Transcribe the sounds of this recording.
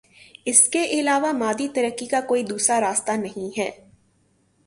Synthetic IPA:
ɪskeʔɪlaːʋamaːd̪it̪ɐɾəkːikakoːid̪uːsɾaɾaːst̪anɐɦĩɦɛː

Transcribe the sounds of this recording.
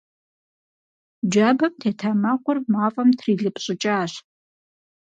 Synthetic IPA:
d͡ʒabɐmtʰeːtʰaːmɐqʷʊrmaːfʼɐmtʰriːɮɨpʼɕʼɪt͡ʃʼaːɕ

